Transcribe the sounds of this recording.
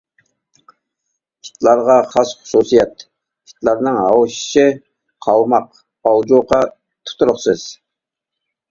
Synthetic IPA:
kʰi̥t̪lˠɑɾʁɑχɑsχʊ̥susijɑt̪ | ki̥t̪lˠɑɾnɨŋɑ̰wʃi̥ʃɪ | qʰɑlˠmɑq | ɑld͡ʒoqɑ | t̪ʰʊ̥t̪ʰuɾʊχsɨz̥

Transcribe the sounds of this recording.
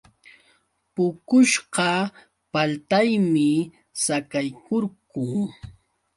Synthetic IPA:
pʊkʊʃɢɑ | palt̪ajmɪ | sakajkoɾkʊː

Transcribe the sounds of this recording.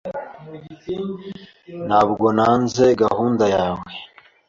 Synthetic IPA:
naβɡonaːnzeɡahuːndajaːwe

